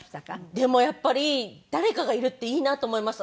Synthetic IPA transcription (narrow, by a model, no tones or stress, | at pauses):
d̪e̞mo̞japːaɾʲid̪̥aɾe̞kaɡaiɾɯ̟t̪ːe̞iːnat̪o̞ːmo̞imasɨ̥